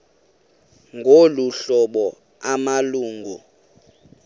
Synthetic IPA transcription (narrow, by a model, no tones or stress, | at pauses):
ŋɡʱoluɬɔɓɔ | amaluːŋɡʱu